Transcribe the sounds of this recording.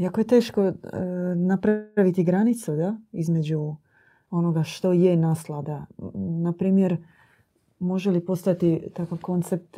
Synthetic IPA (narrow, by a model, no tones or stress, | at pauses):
iakoje̞t̪e̞ːʃko̞ | napɾaʋit̪iɡɾanit̪sud̪aizme̞d͡ʑu | o̞no̞ɡaʃt̪o̞jenaslad̪anapɾiːmje̞ɾ | mo̞ʒelipo̞st̪at̪it̪akaʋko̞nt̪sep̚t̪